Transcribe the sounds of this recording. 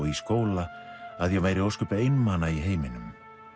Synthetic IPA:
iskoːwlaaðjɛɣmaːjɾɪowskʏːpaejnmanaiɦeːjmɪnʏ̰m

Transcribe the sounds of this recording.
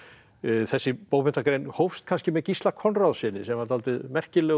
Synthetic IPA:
θɛsːɪpoːwmɛnt̪akɾejnhowfst̪̚kʰanscɪmɛðcist̪lakʰɔnraðsɪnɪsɛmaɾt̪ʰalt̪ɪðmɛr̥cɪlɛ

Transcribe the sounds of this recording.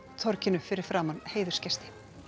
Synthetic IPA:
t̪ʰɔɾcɪnʏfɪɾɪɾ̥fɾaːmanheːjðʏ̥scɛst̪ɪ̥

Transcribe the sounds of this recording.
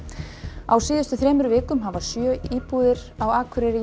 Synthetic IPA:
awsiːðʏst̪ʏθɾɛːmʏɾʏvɪːkʏmɦavasjœːiːpuːðɪɾawaːkʰʏɾɛɾɪ

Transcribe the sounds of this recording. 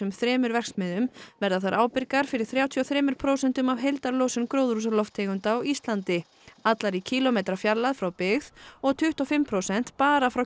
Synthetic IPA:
ʏmθɾɛːmʏɾvɛkst̪mɪðʏmvɛɾðaθaɾʔaːwpɪɾkaɾ̥fɪɾɪ̥θɾjaːwt̪ʰiɔθɾɛːmʏɾ̥pʰɾoːwsɛnt̪ʏmavɦejlt̪aɾloːwsʏnkɾowðɾusaɾlɔft̪ʰɛːɣʏnt̪aawist̪lant̪ɪ | at̪laɾicʰiːlɔmejt̪ɾafjaɾlːaðfɾawpɪɣðɔɣt̪ʰʏht̪ɔfɪmpʰɾowsɛn̥t̪paːɾafɾaw

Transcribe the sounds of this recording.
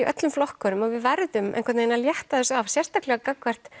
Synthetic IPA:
iʔœ̰t̪lʏmflɔhkœɾʏmɔɣvɪðvɛɾðʏmʔɛ̰nkvɛt̪nenaljɛht̪aðɛsavsjɛr̥st̪aklɛɣakakvɛr̥t̪

